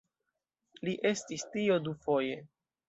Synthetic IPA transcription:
liʔe̞stistiodufo̞je̞

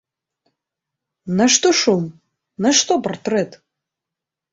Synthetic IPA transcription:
nɐʂt̪oʂum | nɐʂt̪opɐrt̪ret̪

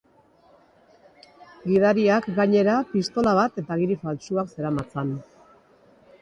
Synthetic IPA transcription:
ɡiðaɾiakɡaɲe̞ɾapist̪o̞laβ̞at̪e̞t̪aɣiɾifalt͡ʃuakse̞ɾamat͡san

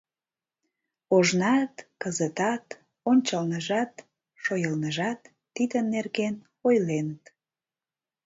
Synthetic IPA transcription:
oʒnɑt̪kəzət̪ɑt̪ | onʲt͡ɕəlnəʒɑt̪ | ʃojəlnəʒɑt̪ːid̪ənːerɣen | ojlenət̪

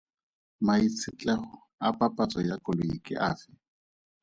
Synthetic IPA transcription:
mait͡sʰɪt͡ɬʼɛχʊ | apʼapʼat͡sʼɔjakʼʊloikʼɪ̰ʔaːfɪ

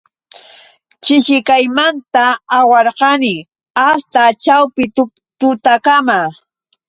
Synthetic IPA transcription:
t͡ʃɪʃɪkajmant̪aːwɑɾqɑnɪ | ast̪at͡ʃawpɪ | t̪ʊt̪akama

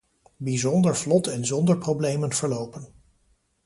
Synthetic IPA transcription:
bizɔndəɹvlɔtɛnzɔndəɹprowblejmənv̥əɹlowpən

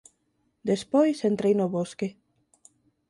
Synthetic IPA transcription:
d̪espojsent̪ɾejnoβoske

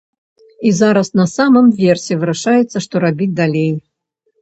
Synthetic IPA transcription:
izaɾɐsnɐsamɨmvʲɛrsʲɛvɨɾaʂajɛt̪sːɐʂt̪ɔɾabʲid̪alʲej

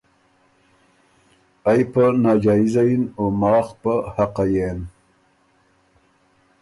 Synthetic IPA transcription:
ajpənaːd͡ʒɑːizainomɑːxpəhaqajen

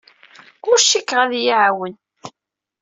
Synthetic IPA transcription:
ʊɾʃikːʁæðjiʕawən

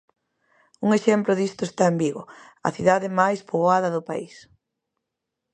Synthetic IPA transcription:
uŋeʃɛmplʊðist̪ʊest̪aembiɣo | ɐ̰θiðaðemajspoβoaðɐðʊpa̰is

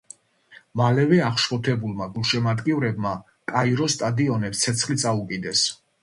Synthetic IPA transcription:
malɛvɛaχʃχɔt̪ʰɛbulˠmaɡulˠʃɛmad̪ɡivɾɛbma | kʼaiɾɔst̪ʼad̪iɔnɛpst̪sʰɛt̪sʰχlit̪sʼaukʼid̪ɛs

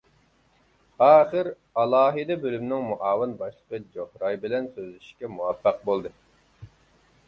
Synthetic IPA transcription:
ɑːχɨɾ | ɑlˠɑːɦɨd̪ɛbølymnɪŋmuʔɑːwɨnbɑʃlˠəqəd͡ʒohɾɑjbɪlɛnsøzlɪʃi̥ʃkʲɛmuwɛfːæq̚bolˠd̪ɨ

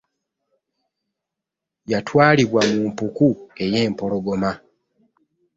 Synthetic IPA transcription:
jatʰwaːliβwamumpukue̞je̞ːmpo̞lo̞ɡo̞ma

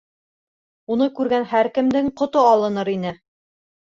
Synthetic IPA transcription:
unɤkʉɾɡænhæɾkɘ̆md̪ɘŋqŏt̪oɑlˠɤ̆nɤɾin̪ɘ

